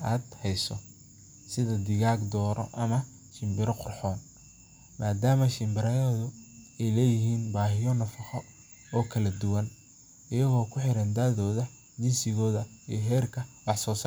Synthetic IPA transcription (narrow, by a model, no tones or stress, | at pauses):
aːd̪hɛjsɔ | sɪðɐd̪ɪɣaːɡd̪ɔːɾɔ̰ʔɐmɐ | ʃɪmbɪɾɔqʊrħɔːn | mʔaːd̪aːmɐʃɪmbɪɾɐɛːðʊɛjlɛːjɪɦiːnbaːɦɪjɔnɐfɑχɔ | ɔːkʰɐlɐd̪ʊwɐn | ɪjɐɣɔːkʰʊħɪɾɐnd̪aːðɔːðɐ | d͡ʒɪnsɪɣɔːðɐḭjɦɛːrkʰɐwɑħsɔːsɐ